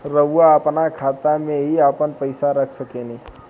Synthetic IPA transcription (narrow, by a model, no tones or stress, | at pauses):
ɾəʋwaɐpnakʰaːt̪amẽɦiapənpəɪsaɾəkʰsəkenĩ